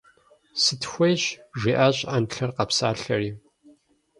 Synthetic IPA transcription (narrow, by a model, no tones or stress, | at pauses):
sɨtxʷejɕʒʷiːʔaːɕʼanɬɐrqɐpsaːɬɐriː